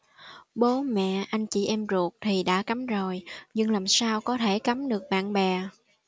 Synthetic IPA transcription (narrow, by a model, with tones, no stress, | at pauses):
ɓo˨˦mɛ̰˧˨ʔa˧jŋ̟t͡ɕḭ˧˩ʔɛ˧mzu˨˩ək̚t̪ʰi˨˩ɗa̰ː˧˥ka˨˦mzo˨˩jɲɨ˧ŋlaː˨˩msaː˧wkɔ˨˦t̪ʰe˧˩ka˨˦mɗɨ˨˩ək̚ɓa̰ː˧˨nɓɛ˨˩